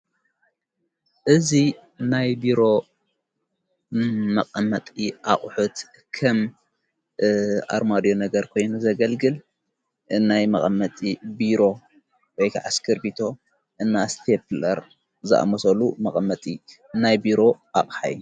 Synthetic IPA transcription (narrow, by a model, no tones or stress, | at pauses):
ʔɨzi | najbiɾo̞ | mɐqʼɐmɐt̪ʼiʔaχʼħut̪ | kʰɐm | ʔa̰ɾmad̪jo̞nɐɡɐɾkʰo̞jnuzɐɡɐlɡɨl | ʔɨnːajmɐχʼɐmːɐt̪ʼibiɾo̞ | wɔjkʰaʕaskʰɨɾbit̪ʰo̞ | ʔɨnːast̪ʰeplɐɾ | zɨʔa̰mɐsɐlumɐχʼɐmːɐt̪ʼi | najbiɾo̞ʔaχʼħa̰j